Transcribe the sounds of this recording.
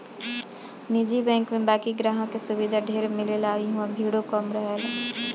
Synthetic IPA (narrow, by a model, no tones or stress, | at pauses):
nid͡ʒibɛ̃ːŋkmẽbaːkiɡɾaɦə̃kesʊbid̪ʱaɖʱeːɾmɪlelaiɦuãbʱiɽokɔmɾəɦela